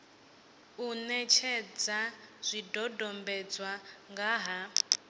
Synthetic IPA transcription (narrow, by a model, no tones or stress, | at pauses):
unɛt͡ʃʰɛd͡zaz̥ʷidɔdɔmbɛd͡zwaŋɡaɦa